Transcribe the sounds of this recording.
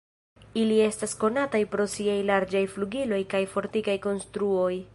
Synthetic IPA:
ilie̞stasko̞natajpɾo̞siajlaɾd͡ʒajfluɡilo̞jkajfo̞ɾtikajko̞nstɾuo̞j

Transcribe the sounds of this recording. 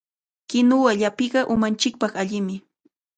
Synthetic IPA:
kɪnʊwaʎapɪɢɑʔʊmant͡ʃɪk̚pɑχaʎɪmɪ

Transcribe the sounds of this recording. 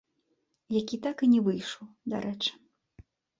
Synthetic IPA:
jakʲit̪akɨnʲɛvɨjʂɔwd̪a̰ɾʔɛt͡ʂɨ̥

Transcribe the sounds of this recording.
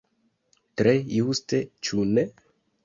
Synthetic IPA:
tɾejustet͡ʃune

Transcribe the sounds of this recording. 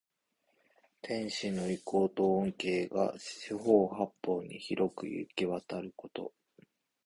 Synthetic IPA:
t̪ʰẽ̞ɰ̃ɕino̞iko̞ːt̪õ̞ːŋke̞ːɡa̰ɕiɦo̞ːhapːo̞ːɲ̟ḭçiɾʔo̞kɯ̟̰jɯ̟̰kiβat̪aɾɯ̟ko̞t̪o̞̰

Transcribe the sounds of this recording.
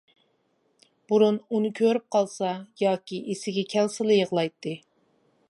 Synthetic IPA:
b̥uɾununɨkʲʰøɾyp̚qʰɑlˠsɑjɑːkʲiʔesɪɡʲɛkʲʰɛlsɨlˠɨjəʁlˠɑjt̪ʰːɨ

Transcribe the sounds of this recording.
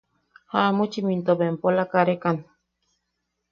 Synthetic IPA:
hamut͡ʃimint̪obempolakaɾekan

